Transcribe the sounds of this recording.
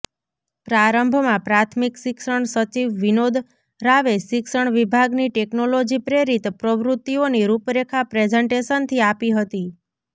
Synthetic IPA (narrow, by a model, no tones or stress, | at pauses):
pɾaɾəmbʱmãpɾat̪ʰmikʃɪkʃəɳsət͡ʃiʋːinod̪ | ɾaʋeʃɪkʃəɳʋibʱaɡniʈeknolod͡ʒipɾeɾit̪pɾəʋɾʊt̪ːioniɾupɾekʰapɾed͡ʒeɳʈeʃənt̪ʰiapiɦət̪i